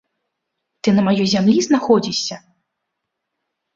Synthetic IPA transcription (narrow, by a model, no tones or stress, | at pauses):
t̪ɨnɐmajɔjzʲamlʲiznaxɔd͡zʲisʲːɐ